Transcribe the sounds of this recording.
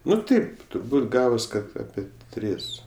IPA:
ˈnʊ ˈtɐɪp tʊrˈbuːt ˈɡɑːʋoːs ˈkɐt ˈɑːpʲɛ ˈtʲrʲɪs

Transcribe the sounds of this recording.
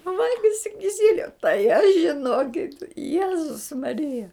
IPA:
ˈʋɐlʲɡʲɪsʲɪ kʲɪˈsʲɪlʲʊ tɐɪ ɐʃ ʒʲɪˈnoːkʲɪt ˈjæːzʊs mɐˈrʲɪjɛ

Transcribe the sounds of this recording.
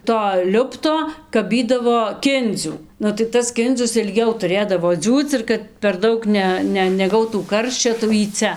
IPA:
toː ˈlʲʊptoː kɐˈbʲiːdɐʋoː ˈkʲɪnʲd͡zʲuː nʊ tɐɪ ˈtɐs ˈkʲɪnʲd͡zʲʊs ɪlʲˈɡʲɛʊ tʊˈrʲeːdɐʋoː ˈd͡zʲuːt͡s ɪr kɐt pʲɛr ˈdɐʊk ˈnʲɛ nʲɛ nʲɛˈɡɐʊtuː ˈkɐrʲʃʲt͡ʃʲoː tɐɪ jɛʊ jiː ˈt͡sʲɛ

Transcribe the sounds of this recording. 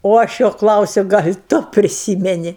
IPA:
oː ˈɐʃ ˈjoː ˈklˠɐʊsʲʊ ˈɡɐlʲ ˈtʊ pʲrʲɪˈsʲiːmʲɛnʲɪ

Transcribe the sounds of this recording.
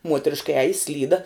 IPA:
ˈmuɔtʲrʲɪʃkɐ ˈæːjɪ ˈsʲlʲiːdɐ

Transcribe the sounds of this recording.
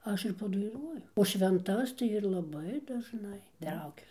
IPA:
ˈɐʃ ɪr pɐdɐɪˈnuɔjʊ oː ʃʲʋʲɛnˈtɐs tɐɪ ɪr lˠɐˈbɐɪ dɐʒˈnɐɪ ˈtrɐʊkʲʊ

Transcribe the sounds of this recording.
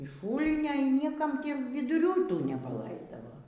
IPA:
ɪʃ ˈʃuːlʲnʲoː iː ˈnʲiɛkɐm ˈtʲiː ʋʲɪdʊˈrʲuː iː ˈtuː nʲɛpɐˈlˠɐɪzdɐʋoː

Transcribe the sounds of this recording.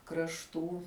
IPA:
krɐʃˈtuː

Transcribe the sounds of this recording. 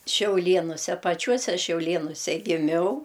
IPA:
ʃʲɛʊˈlʲeːnʊsʲɛ pɐˈt͡ʃʲuɔsʲɛ ʃʲɛʊˈlʲeːnʊsʲɛ ɡʲɪˈmʲɛʊ

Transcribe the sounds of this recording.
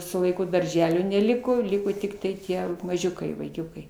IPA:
sʊ lˠɐɪˈkʊ dɐrʲˈʒʲæːlʲoː nʲɛˈlʲɪkoː ˈlʲɪkoː tʲɪktɐɪ ˈtʲiɛ mɐˈʒʲʊkɐɪ ʋɐɪˈkʲʊkɐɪ

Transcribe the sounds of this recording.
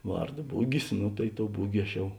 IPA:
ˈʋɐrˌdoː ˈbʊɡʲɪs ˈnʊ tɐɪ ˈtoːʊ ˈbʊɡʲɪ ɐʃ ˈjɛʊ

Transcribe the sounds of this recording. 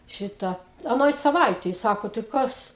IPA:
ˈʃʲɪtɐ ɐˈnoːj sɐˈʋɐɪtʲɛj ˈsɑːkoː tɐɪ ˈkɐs

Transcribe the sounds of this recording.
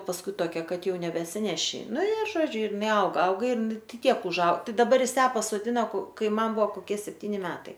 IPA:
pɐsˈkʊɪ toːˈkʲɛ ˈkɐt ˈjɛʊ nʲɛbʲɛsʲɪˈnʲæːʃʲɪ ˈnʊ ɪ ˈʒoːd͡ʒʲʊ ɪr ɪˈnɐɪ ˈɐʊɡɐ ˈɐʊɡɐ ɪr ˈtʲiɛk ʊʒˈɐʊ dɐˈbɐr ˈjɪs ˈjæː pɐsoːˈdʲɪnɐ koː ˈkɐɪ ˈmɐn ˈbʊʋoː koːˈkʲiɛ sʲɛpʲˈtʲiːnʲɪ ˈmʲæːtɐɪ

